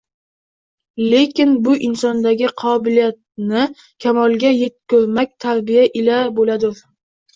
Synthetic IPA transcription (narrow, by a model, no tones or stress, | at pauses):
le̞kʲɪnbʊʔɪnsɒnd̪aɡʲɪqʰɒbɪlijat̪̚nɪ | kʲʰamɒlˠɡʲaje̞t̪̚kʲʰɵɾmak̚ʲt̪ʰaɾbijaʔɪlabolad̪ɪ